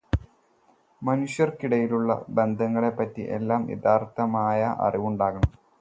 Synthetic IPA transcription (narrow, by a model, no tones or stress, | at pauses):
mɐnuɕjɐrkiɽɐjiluɭːɐ̰be̞nd̪ʱɐŋːɐɭe̞pːɐtːḭʔe̞̰lːaːmjḛd̪aːrt̪ɐmaːjɐʔɐ̰riʋuɳɖaːɣɐɳɐm